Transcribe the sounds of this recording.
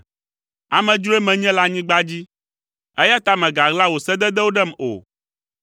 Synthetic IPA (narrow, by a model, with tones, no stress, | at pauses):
a˨mɛ̃˨d͡ʒu˦e˦mɛ̃˨ɲɛ̃˦la˦ɲĩ˦ɡ͡ba˦d͡ʑi˦ | ɛ˦ja˦t̪a˦mɛ̃˨ɡa˨ɣla˦wo˨sɛ˦d̪ɛ˦d̪ɛ˦wo˦ɖɛ˦mo̰˨